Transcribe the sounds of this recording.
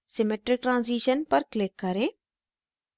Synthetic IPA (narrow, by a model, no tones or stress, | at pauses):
sɪmeːʈɾɪk̚ʈɾãːnziːʃənpɐɾklɪkːɐɾẽ